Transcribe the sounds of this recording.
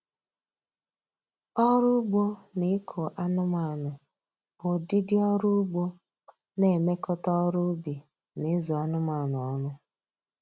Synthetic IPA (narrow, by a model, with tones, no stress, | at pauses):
ɔ˦ɾʊ˦ɡ͡bo˦ne˦kʰo˨ʔa˦nʊ˦ma˨nʊ˨ | bʊ˨di˦dɪ˦ɔ˦ɾʊ˦ɡ͡bo˦ | ne˨me˦kɔ˦tɔ˦ɾʊ˦bi˨ | ne˨˦zo˨a˦nʊ˦ma˨nʊ˨ɔ˦nʊ˦